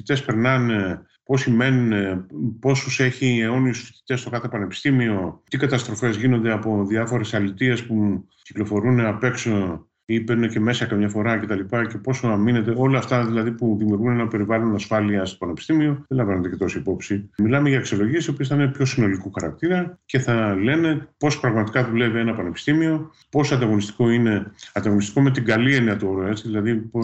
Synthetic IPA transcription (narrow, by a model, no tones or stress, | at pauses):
fit̪e̞spe̞ɾnɐne | po̞sime̞nunepo̞suse̞çieo̞niusfi̥t̪i̥t̪e̞st̪o̞kɐθe̞pɐne̞pi̥st̪imio̞t̪ikɐt̪ɐst̪ɾo̞fe̞zʝino̞nd̪e̞ɐpo̞ðiɐfo̞ɾe̞sɐlit̪ie̞spu | ci̥klo̞fo̞ɾuneɐpe̞kso | ipeɾnece̞me̞sɐkɐmɲɐfo̞ɾɐce̞t̪ɐlipɐce̞po̞sɐmine̞t̪e̞o̞lɐːft̪ɐðilɐðipuðimjuɾɣune̞nɐpe̞ɾivɐlo̞nɐsfɐliɐst̪opɐnepi̥st̪imio̞ðelɐɱvɐnet̪ece̞t̪o̞siipo̞psimilɐme̞ʝɐksio̞lo̞ʝie̞sio̞piesθɐinepço̞sino̞likuxɐɾɐ̰k̚t̪iɾɐce̞θɐle̞ne̞po̞spɾɐɣmɐt̪i̥kɐðule̞vie̞nɐpɐne̞pi̥st̪imio̞ | po̞soɐnd̪ɐɣo̞nist̪i̥ko̞ine̞ɐnd̪ɐɣo̞nist̪i̥ko̞me̞t̪iɡɐlieniɐt̪uoɾoet͡siðilɐðipo